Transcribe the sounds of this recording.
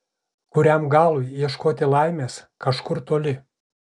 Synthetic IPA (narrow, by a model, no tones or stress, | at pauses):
kʊɾʲɛmɡɑːlˠʊɪiɛʃkoːt̪ʲɪlˠɐˑɪmʲeːskɐʃkʊɾt̪oːlʲɪ